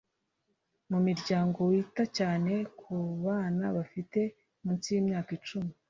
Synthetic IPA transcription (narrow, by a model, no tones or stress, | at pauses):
mumiɾɟaːŋɡo̞witacaːne̞kʰuβaːnaβafite̞ | muːnt͡sijimɲaːkit͡ʃumi